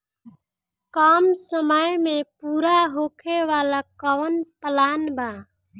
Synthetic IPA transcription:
kɔmsəməjmepuɾaɦokʰeʋalakɔʋənpəlanba

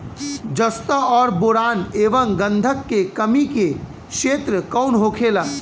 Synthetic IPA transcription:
d͡ʒəst̪əɔːɾboɾaːneːʋəmɡə̃nd̪ʱəkːekəmike | ʃeːt̪ɾəkɔʊnɦokʰela

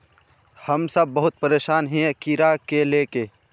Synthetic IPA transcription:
hɐmsɐbːɐɦʊt̪̚pəɾeːʃaːnɦɛ̃kiɾakeleːke

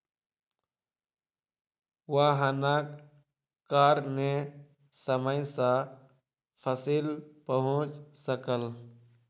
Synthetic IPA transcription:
waɦənaːkː | aːɾne | səməjsã | pʰəsilpəɦʊ̃t͡ʃsəkəl

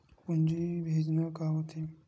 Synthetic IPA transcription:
pund͡ʒibʱed͡ʒnakaɦot̪i

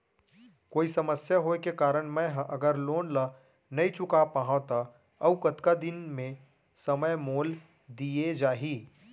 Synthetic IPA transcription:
koːisɐməsjaɦoekekaːɾəɽ̃mɛ̃ɦʔɐɡəɾloːnla | nɐit͡ʃʊkapaɦãt̪a | ɐwkɐt̪kad̪ɪnmẽ | sɐməjmoːl | d̪ied͡ʒaːɦiː

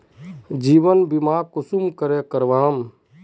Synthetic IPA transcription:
d͡ʒiːbənbimaːkusumkəɾekəɾʋaːm

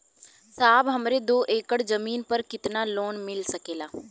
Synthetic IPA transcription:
saːbɦɐmɾed̪oːʔeːkəɽzɐmiːnpəɾkɪt̪naloːnmɪlsɐkeːlaː

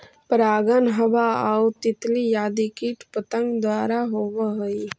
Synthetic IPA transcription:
pɾaːɡənɦəbaaut̪ɪt̪lijaːd̪ikiʈpət̪ə̃ŋɡd̪waːɾaɦoʋɦoi

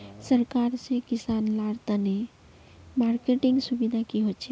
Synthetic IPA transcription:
səɾkaɾsẽkisanlaɽt̪əne | maɾkeʈiŋɡsubid̪ʱakiɦot͡ʃʰɛ

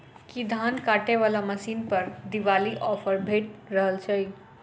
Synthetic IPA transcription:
kid̪ʱankaʈeʋalaməsinpəɾd̪iʋaliʔɔpʰəɾbʱeʈ̚ɾəɦəlt͡ʃʰəj

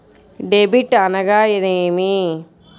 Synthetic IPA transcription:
ɖebiʈːɐnɐɡaːjiɾeːmi

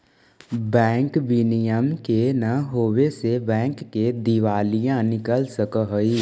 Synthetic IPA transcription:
bɛ̃ːŋkʋinijəmkenɐɦoːwesebɛ̃ːŋkːed̪iʋaːlijãnɪkəlsəkəɦəi

